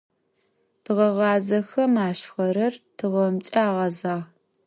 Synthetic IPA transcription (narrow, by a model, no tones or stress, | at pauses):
tʰɨʁɐʁɑːzɐxɐmaːɕxɐɾɐrtʰɨʁɐmt͡ʃʼɐaːʁɐzaːʁ